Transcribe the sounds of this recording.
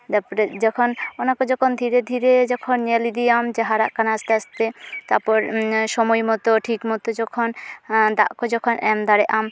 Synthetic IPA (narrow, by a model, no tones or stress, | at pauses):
d̪apɔɾed͡ʑɔkʰonɔnakod͡ʑɔkʰond̪ʱiɾed̪ʱiɾed͡ʑɔkʰonɲelid̪iamd͡ʑeɦaɾa̰ʔkanaast̪east̪et̪aɾpɔɾʃɔmɔjmɔt̪oʈʰikmɔt̪od͡ʒɔkʰond̪a̰ʔkod͡ʑɔkʰonɛmd̪aɾeʔam